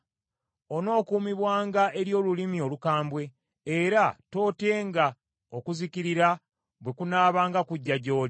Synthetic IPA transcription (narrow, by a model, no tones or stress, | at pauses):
o̞no̞ːkuːmiβwaːŋɡae̞ɾjo̞ːlulimio̞lukaːmbwe̞ː | ɾato̞ːte̞ːŋɡa | okuziciɾiɾa | βwe̞kunaːβaːŋɡakuɟːaɟo̞ːl